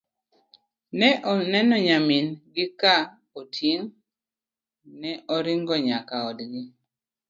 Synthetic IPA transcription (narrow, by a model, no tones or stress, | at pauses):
nɛʔɔnɛnɔɲaminɡɪka | otʰiŋ | nɛʔɔɾiŋɡɔɲakaɔdɡɪ